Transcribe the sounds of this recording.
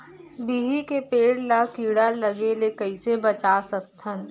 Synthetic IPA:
biɦikepeːɽlakiːɽalɐɡelekɐɪsebɐt͡ʃasək̚t̪ʰən

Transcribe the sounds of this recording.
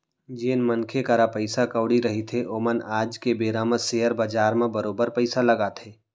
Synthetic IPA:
d͡ʒeːnmənkʰekəɾapəɪsakəːɽiɾɐɦit̪ʰeʔoːmənaːd͡ʒkebeːɾaməseːɦəɾbad͡ʒaːɾmẽbəɾoːbəɾpəɪsalɐɡaːt̪ʰeː

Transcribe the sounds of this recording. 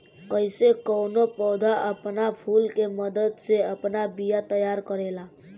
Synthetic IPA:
kəɪsekɔwnopɔːd̪ʱaʔəpnapʰuːlkeməd̪əd̪seəpnabijat̪əjaɾkəɾela

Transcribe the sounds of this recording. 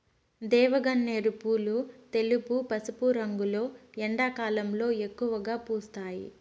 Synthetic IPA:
d̪ɛːʋɐɡɐnːeːɾupuːlut̪e̞lupupɐsupuɾɐŋɡulo̞ːɛɳɖaːkaːlɐmlo̞ːekːuʋɐɡaːpuːst̪aːjḭ

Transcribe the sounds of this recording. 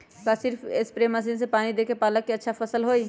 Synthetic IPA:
kasɪɾfʰɪspɾeːməs̬iːnsepaːnid̪eːkepaːləkːiɐtːʃʰafɐsəlɦoːiː

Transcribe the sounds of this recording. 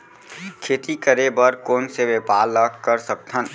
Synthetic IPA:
kʰeːt̪ikəɾebəɾkoːnseʋepaːləkkəɾsək̚t̪ʰən

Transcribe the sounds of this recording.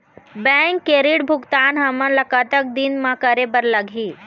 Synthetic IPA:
bɛ̃ŋkːeɾiːɽbʱukt̪anɦaməɳləkat̪ək̚d̪inmakaɾebəɾlaɡʱiː

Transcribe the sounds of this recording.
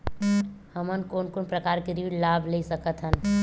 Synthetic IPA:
həmənkoːnkoːnpɾɐkaːɾkeɾiʋilaːbʱlesəkət̪ɦən

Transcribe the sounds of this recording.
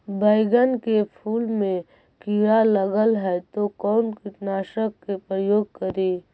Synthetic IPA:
bʱəɪɡənkepʰuːlmẽ | kiɾaləɡəlɦɛt̪okɔːnkɪʈnaːʃəkːepɾəjoːɡ̚kəɾiː

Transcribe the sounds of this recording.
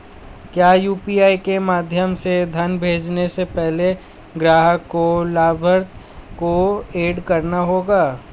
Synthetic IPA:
kjaːjuːpiːaːikemaːd̪ʱjəmsed̪ʱɐnbʱeːd͡ʒnesepɛɦle | ɡɾaːɦəkːolaːbʱəɾt̪ | koeːɖkɐɾnaɦoːɡaː

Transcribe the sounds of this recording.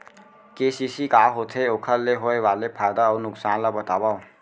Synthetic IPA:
keːsisikaːɦot̪ʰeoːkʰəɾleɦoeʋaːlepʰaːɪd̪aɔːɾnʊksaːnlabət̪aːba

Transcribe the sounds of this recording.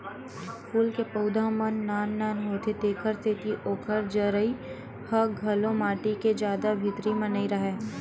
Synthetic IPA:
fuːlkepɐʊd̪ʱãːmənːaːnːaːnɦoːt̪ʰet̪eːkʰəɾst̪ʰɪt̪iʔoːkʰəɾd͡ʒəɾəi | hɐɡʱɐlõmaːʈiked͡ʒjaːd̪abʱɪt̪ɾimənəiɾɐɦeː

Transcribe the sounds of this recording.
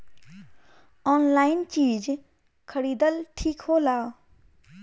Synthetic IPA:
ɔːnlaːɪnt͡ʃiːd͡ʒ | kʰəɽiːd̪əlʈʰiːkɦoːlaːo

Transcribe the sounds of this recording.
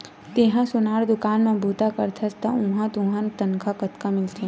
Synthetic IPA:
t̪eɦãsʊnaːɾd̪ʊkaːnmẽbʱuːt̪akɐɾt̪ʰɐst̪aʊ̃ɦãt̪ũɦãnt̪ɐnkʰakɐt̪kamɪlt̪ʰe

